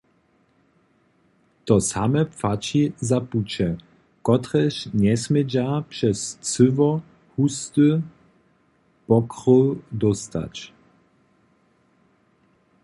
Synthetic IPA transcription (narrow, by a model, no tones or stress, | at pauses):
t̪ɔsamɛpfat͡ɕizaput͡ɕɛ | kɔt̪ɾɛɕɲɛsmɛd͡ʑapʂɛst͡sɘvɔ | hust̪ɨ | pɔkɾɔld̪ɔst̪a̰t͡ɕ